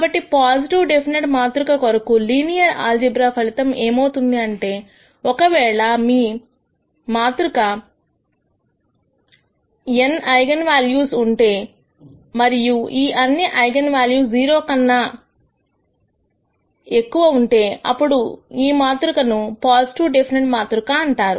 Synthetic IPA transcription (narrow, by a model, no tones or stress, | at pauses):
kaːbɐʈːipaːsiʈiʋɖe̞pʰineʈmaːt̪ɾukɐkoɾɐkuliːnijɐɾa̰ːld͡ʒibɾaːpʰɐlit̪ɐme̞ːmɐwt̪und̪iɐɳʈe̞ː | ɔkɐʋɛːɭɐmiː | maːt̪ɾukɐ | enɐjɡɐnʋaːljuːsuɳʈe̞ː | mɐɾijuiːʔɐnːiʔɐjɡɐnʋaːljuːd͡ʒiːɾoːkɐnːɐ | e̞kːuʋɐuɳʈe̞ːɐ̰pːuɽuiːmaːt̪ɾukɐnupaːsʈuːɖepʰineɳʈmaːt̪ɾukɐɐɳʈaːɾṵ